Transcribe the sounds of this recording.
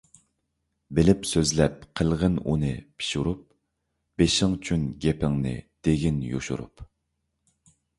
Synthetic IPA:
bɪlɪpsøzlɛp̚qʰəlˠʁənṵnɨpʰi̥ʃuɾup̚ | b̥eʃɪŋt͡ʃʰynɡʲɛpʰɪŋnɨ̰d̪̥eɡʲinjo̰ʃṵɾṵp

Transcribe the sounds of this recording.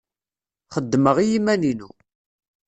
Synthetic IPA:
χəd̪ːməʁijimæninu

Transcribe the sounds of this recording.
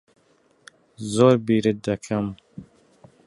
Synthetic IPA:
zoːɾbiːɾɨd̪ɐkʰɐm

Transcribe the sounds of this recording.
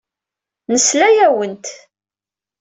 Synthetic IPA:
nəslæjæwənt̪

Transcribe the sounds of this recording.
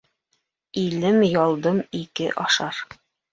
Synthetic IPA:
ilɘmjɒlˠd̪ɤmikɘ̰ʔɑʃɑɾ

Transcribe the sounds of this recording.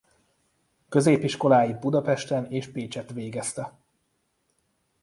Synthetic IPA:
kø̞zeːpiʃko̞laːjibud̪ɒpɛʃt̪ɛneːʃpeːt͡ʃɛt̪ʋeːɡɛst̪ɛ

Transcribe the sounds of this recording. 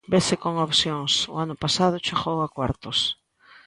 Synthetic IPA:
beθɪkoŋopθjoŋsʊ̰anʊpasað̞ʊt͡ʃeɣowakwa̰ɾt̪ʊs

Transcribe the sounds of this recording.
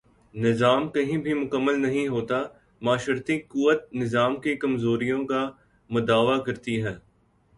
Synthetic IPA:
nɪzaːmkɐɦĩbʱĩmʊkəmːəlnɐɦĩɦoːt̪a | maːʃɾt̪ikuːʋət̪̚nɪzaːmkekɐmzoːɾijõka | mʊd̪aːʋakɐɾt̪iɦɛː

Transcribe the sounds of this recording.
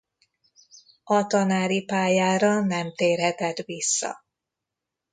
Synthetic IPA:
ɒt̪ɒnaːɾipaːjaːɾɒnɛmt̪eːrɦɛt̪ɛt̪visːɒ̰

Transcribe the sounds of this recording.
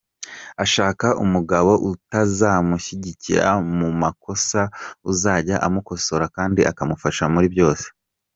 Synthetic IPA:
aʃaːkaʔumuɡaβo̞ʔutazamuçiɟiciɾa̰mumako̞sauzaːɟaʔamuko̞so̞ɾakaːndiʔakamufaʃamuɾibjo̞ːse̥

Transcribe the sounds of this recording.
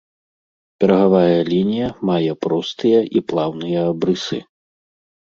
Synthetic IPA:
pʲɛɾɐɣavajɐlʲinʲijɐmajɛpɾɔst̪ɨjɐʔiplˠawnɨjɐːbɾɨsɨ̰

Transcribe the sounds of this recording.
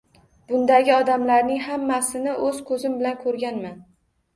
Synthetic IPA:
b̥ʊnd̪aɡʲɪɒd̪amlaɾnɪŋhamːasɪnɪʔɵz̥kʰɵzɪmbɪlankʰɵɾɡʲanman

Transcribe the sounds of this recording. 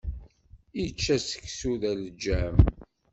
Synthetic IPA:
it͡ʃːæsə̥kːsuðæləd͡ʒːæm

